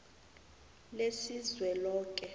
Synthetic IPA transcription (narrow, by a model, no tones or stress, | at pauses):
lesizwɛlɔːk̬ʼɛ